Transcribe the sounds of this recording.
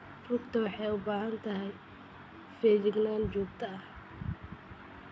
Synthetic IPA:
rʊkt̪ʰɐwɑħɑjʊbaːɦɐnt̪ʰɐɦɛj | fɛːd͡ʒɪɡnaːnd͡ʒuːɡ̚t̪ʰɐɐh

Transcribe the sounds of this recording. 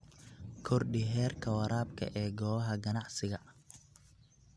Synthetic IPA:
kʰɔrɖɪɦɛːrkʰɐwɐɾaːbkʰɐ̰ʔɛːɡɔːɐɦɐɡɐnɑʕsɪɣɐ

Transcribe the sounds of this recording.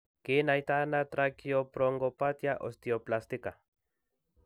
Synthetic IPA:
kinajt̪anat̪ɾakiopɾoŋɡopat̪jaʔo̰st̪ioplast̪ika

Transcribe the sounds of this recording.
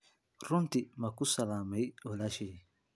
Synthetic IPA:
ɾunt̪imakusalaːmaiolaʃi

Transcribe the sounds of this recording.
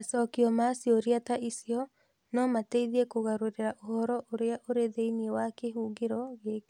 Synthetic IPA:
asɔkiɔmasiɔɾiataisiɔ | nɔmateiðiɛkoɣaɾoɾeɾaʔohɔɾɔʔoɾeaʔoɾeðeiniewakeɦuːɡeɾɔɣeːke

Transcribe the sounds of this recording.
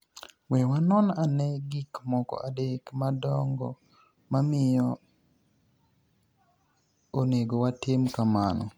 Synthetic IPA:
wɛwanɔnanɛɡikmɔkɔ̰ʔadekmadɔŋɡɔ̰ | mamɪjɔ | oneɡowatɪmkamanɔ̰

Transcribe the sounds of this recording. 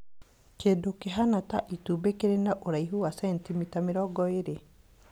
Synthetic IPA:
kedokeɦanataʔitubekeɾenaʔoɾaiɦuwasɛntimitameɾɔɡɔeɾe

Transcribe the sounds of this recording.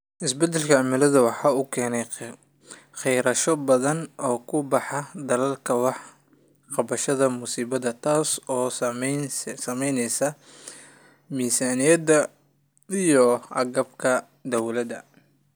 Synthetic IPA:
ʔɪsbɛd̪ːɛlkʰɐɑmɪlɐðɐwɑħɑːʊkʰɛːnɛj | xɛjɾɐʃɔbɐðɐnɔːkʰʊbɑħɑd̪ɐlɐlkʰɐwɑħ | qɑβɐʃɐðɐmʊsiːβɐðɐt̪ʰaːsɔː | sɐmɛjnɛjsɐ | miːsaːnijɐd̪ɐ | ijɔɑ̰ɡɐbkʰɐ | d̪ɔwlɐd̪ɐ

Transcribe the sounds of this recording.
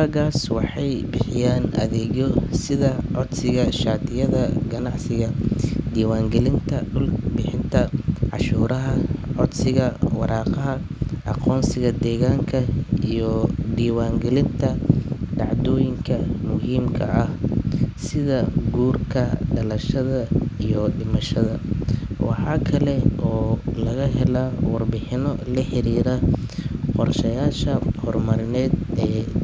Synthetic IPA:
aɣaːswɑħɑjbɪħɪjaːnʔɐ̰ðɛːɣɔsɪðɐʕɔd̪sɪɣɐʃaːt̪ɪjɐðɐɡɐnɑʕsɪɣɐd̪iːwaːŋɡɛlɪnt̪ʰɐɖʊlbɪħɪnt̪ʰɐʕɑ̰ʃuːɾɐɦɐʕɔd̪sɪɣɐwɑɾɑːqɑɦɐʔɑqɔːnsɪɣɐd̪ɛːɣaːŋkʰɐijɔd̪iːwaːŋɡɛlɪnt̪ʰɐɖɑʕd̪ɔːjɪŋkʰɐmʊɦiːmkʰɐ̰ʔɐhsɪðɐɡuːrkʰɐɖɐlɐʃɐðɐijɔɖɪmɐʃɐðɐwɑ̰ħɑːkʰɐlɛʔɔːlɐɣɐɦɛlawɑrbɪħɪnɔlɐħɪɾiːɾɐ | qɔrʃɐjaːʃɐhɔrmɐɾɪnɛːd̪ɛː

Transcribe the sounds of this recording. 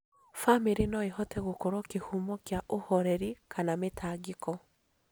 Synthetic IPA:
famiɾinɔehɔtɛɣokɔɾwɔkehumɔkjaʔohɔɾɛɾikʰanametʰaːɡikɔ

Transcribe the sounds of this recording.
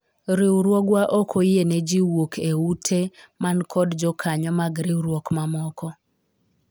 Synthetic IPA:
ɾɪwɾwɔɡwaʔokʰojened͡ʒiwokʰeutʰemankʰɔdd͡ʒɔkʰaɲɔmaɡɾɪwɾwɔkmamɔkɔ

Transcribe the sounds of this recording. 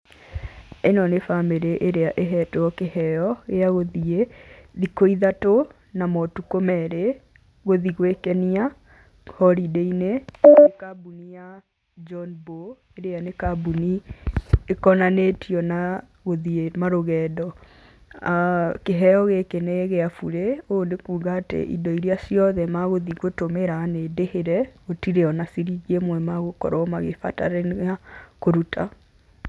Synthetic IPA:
enɔnefameɾeʔeɾeaʔeɦɛtoɔkehɛjɔɣeaɣoðieðikoiðato | namɔtukomɛɾe | ɣoðiɣwekɛnia | hɔɾideinenekabunija | d͡ʒɔnbo | eɾeanekabuni | ekɔnanetiɔna | ɣoðiemaɾoɣɛːdɔ | keɦɛɔɣekeneɣɛafuɾeoːndekuːɣaːtḛʔḭdɔiɾiasjɔðɛmaɣoðiɣotomeɾanedeheɾɛotiɾeɔnasiɾiɣiemwɛmaɣokɔ̰ɾɔmaɣefa̰ta̰ɾenɣakoɾutʰa

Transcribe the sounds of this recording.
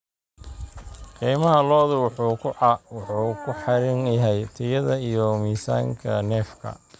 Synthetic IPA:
qiːmɐɦɐlɔːðʊwʊħuːkʰʊʕɑwʊħuːkʰʊħɑɾɪnjɐɦɛjt̪ʰɐjɐðɐijɔmiːsa̰ːŋkʰɐnɛːfkʰɐ̰

